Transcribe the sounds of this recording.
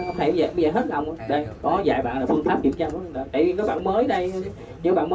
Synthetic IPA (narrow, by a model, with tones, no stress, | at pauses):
hə˧ŋ͡mt̪ʰe˧˩˧zəː˨˩ɓə˧jzəː˨˩ɦe˦˥t̚la˨˩wŋ͡mʔaː˨˦ɗə˧˩jkɔ˨ɔ˨˦za̰ː˧˨˩jɓa̰ː˧˨nlaː˨˩fɨ˧ənfaː˦˥p̚t͡ɕwḭ˧˨ənt͡ɕa˧m˨˦˧ɗa˨˩t̪a̰ː˧˨jvi˨˩kaː˨˦jɓa̰ː˧˨nməː˨˦jɗə˧j | ɲ˨˦˥ɓa̰ː˧˨nmə˨˦